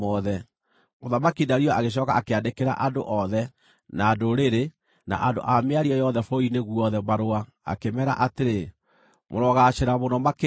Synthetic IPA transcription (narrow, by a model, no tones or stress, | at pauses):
ɔðɛ | moðamakinaɾiɔaɣeɕ̬ɔkaakeandekeɾa̰ʔando̰ʔɔðɛ | naːdoɾeɾe | na̰ʔado̰ʔameaɾiɔjɔðɛfoineɣuɔðɛmaɾoa | a̰kemɛɾa̰ʔateɾe | moɾɔɣaɕeɾamonɔmak